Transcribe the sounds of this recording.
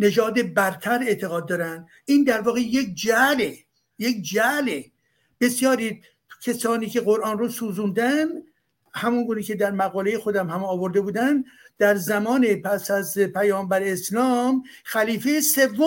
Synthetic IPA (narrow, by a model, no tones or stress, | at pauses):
ne̞d͡ʒɒːd̪e̞bæɾt̪ʰæɾe̞ʔt̪ʰe̞ɣɒːd̪̚ːɒːɾænd̪ | ʔiːnd̪æɾvɒːɣe̞jek̚d͡ʒæle | jekd͡ʒæle | b̥e̞sjɒːɾiː | cʰesɒːniːke̞ɣoɾʔɒːnrosuːzuːnd̪ænd̪ | hæmunɡuːniːkcʰe̞d̪æɾmæɣɒːle̞jexo̞d̪æmhæmɒːvo̞ɾd̪e̞buːd̪ænd̪d̪̥æɾzæmɒːnepʰæsæzpʰæjɒːmbæɾeːslɒːm | xæliːfejese̞vːo